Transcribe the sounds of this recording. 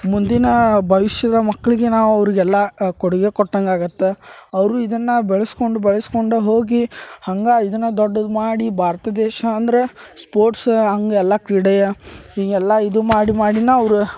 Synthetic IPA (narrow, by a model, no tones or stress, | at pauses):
mund̪inɐbʱɐʋiʃjɐd̪ɐmɐkːɐɭiɡenaːʋuɐʋɾiɡɛlːɐkoɽuɡekɔʈːɐŋɡaːɡut̪ːeɐʋɾuid̪ɐnːɐbɛɭɐskoɳɖubɛɭɐskoɳɖuɦo̞ːɡihɐŋɡaːid̪ɐnːɐd̪ɔɖːɐd̪maːɽibʱaːɾɐt̪ɐd̪ɛːʃɐːnd̪ɐɾespoːɾʈsɐŋɡeɛlːɐkɾiɽɐjɐɦiːŋɛlːɐid̪umaːɽimaːɽinɐːʋɐɾu